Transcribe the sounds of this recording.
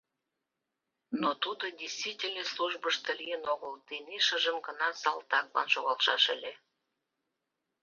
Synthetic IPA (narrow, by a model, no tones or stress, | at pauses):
not̪ud̪ədʲesʲt̪vitʲelʲnesluʒbəʃt̪əlʲijənoɣəld̪eneʃə̆ʒəmɡənɑsɑlˠt̪ɑklɑ̰nʃoɣɑlʃɑ̰ʃelʲe